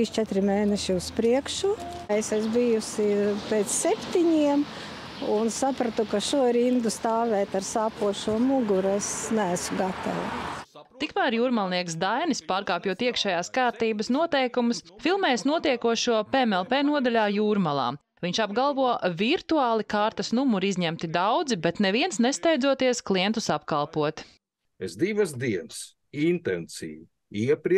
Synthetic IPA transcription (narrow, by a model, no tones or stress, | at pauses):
ist͡ʃɛt̪ɾɪmeːnɛʃiuspɾiɛkʃu | esɛsbijusʲipʲeːt̪ssepʲt̪iɲiɛm | unsapɾat̪ukaʃuɔɾind̪ust̪aːʋɛːt̪aɾsaːpuɔʃuɔmuɡuɾɛsnæːsuɡat̪a̰ʋut̪ikmæɾjuːɾmalˠniɛksd̪ajnispaːɾkaːpjut̪iɛkʃɛjaːskaːɾt̪iːbəsnuɔt̪ɛjkumʊsfilˠmɛːjsnuɔt̪iɛkuɔʃuɔpeemɛlˠpeːnuɔd̪alʲaːjuːɾmalˠa̰ː | viɲt͡ʃabɡalˠvuɔviɾt̪uaːlˠikaːɾt̪ɐsnumuɾizʲɲɛmt̪id̪awd̪zibɛt̪nɛviɛnsnɛst̪ɛjd̪zuɔt̪iɛsklˠiɛnt̪usapkalˠpuɔt̪ | esd̪iʋɐsd̪iɛns | int̪ɛnsḭːʋu | iɛpɾi